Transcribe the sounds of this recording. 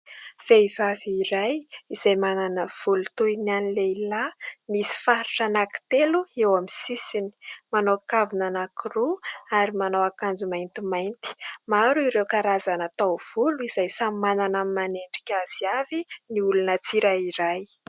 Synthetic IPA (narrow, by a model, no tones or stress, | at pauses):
feivaviɾajizajmananəv̥ulut̪ujnanileilamisi̥faɾi̥ʈ͡ʂanaki̥t̪eluewamisisini̥manokavunanakiruaɾimanawakand͡zumajnt̪imajnt̪i̥maɾuiɾewkaɾazanat̪awv̥uluiz̥ajsamananammaneɳɖ͡ʐikʲaz̥iaviniulunət͡siɾaiɾaj